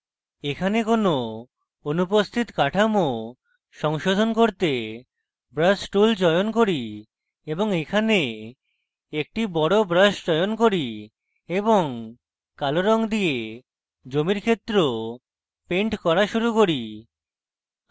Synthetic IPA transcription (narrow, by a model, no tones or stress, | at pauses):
ekʰanekono | onupost̪ʰit̪kaʈʰamo | ʃɔŋʃod̪ʱonkoɾt̪e | bɾasʈuld͡ʑɔeonkoɾi | eboŋekʰane | ek̚ʈibɔɽobɾasd͡ʑɔeonkoɾi | eboŋ | kaloɾɔŋd̪ie | d͡ʑomiɾkʰet̪ːɾo | peɳʈkɔɾaʃuɾukoɾi